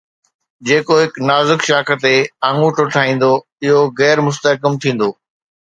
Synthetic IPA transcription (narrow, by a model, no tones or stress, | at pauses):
d͡ʑeːkoɦɪknaːzɪkʃaːkʰə̆t̪eãːŋuːʈʊʈʰaːĩːn̆d̪o | ɪɦoɣɛːɾmʊs̬t̪əkəmt̪ʰĩːn̆d̪oː